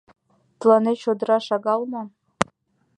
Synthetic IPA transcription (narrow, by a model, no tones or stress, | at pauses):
t̪lɑneʃod̪rɑʂɑɡɑlˠma